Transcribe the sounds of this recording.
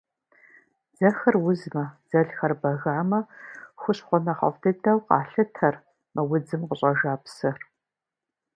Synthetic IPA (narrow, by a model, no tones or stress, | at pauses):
d͡zɐxɐrwʊzmɐd͡z̥ɐɮxɐrbɐɣaːmɐxʷʊɕχʷɔnɐχɐ̰vtʰɨdɐwqɑ̰ːɬɨtʰɐr | mɐwʊd͡zɨmqəɕʼɐʒaːpsɨr